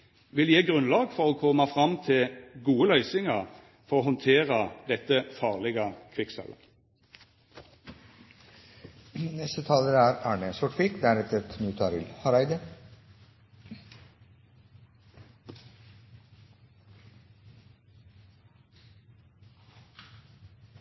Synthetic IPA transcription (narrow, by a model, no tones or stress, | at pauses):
ʋɪljeːɡʁʉnlɑːɡfɔʁoːkʰɔmːɑfʁɑmt̪ʰɪlɡuːəlœʏsɪŋəʁ | fɔʁoːɦɔnt̪ʰeːʁəd̪ɛt̪əfɑːʁlɛɡəkʰʋɪksɛ̰lə̰ | nɛst̪ət̪ʰɑːləæːɾæːɳəsɔʈfɪkd̪æɾɛt̪əɾt̪ʰnʉːt̪ʰɑɾɪ̰lhɑɾæɪd̪ə